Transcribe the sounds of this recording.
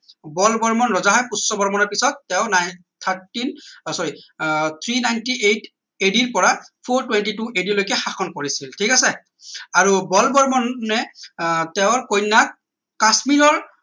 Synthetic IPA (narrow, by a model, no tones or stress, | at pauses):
bɔlbɔɹmɔnɹɔzaɦajpusːɔbɔɹmɔnɔɹpisɔtːɛʊnaj | t̪ʰaɹtinsɔɹit̪ʰɹinajntiʔejt | ediɹpɔɹapʰoɹtwentituʔedilojkɛxaxʰɔnkoɹisiltʰikasɛ | aɹubɔlbɔɹmɔnːɛtɛʊɹkojnːakː | asmiɹɔɹ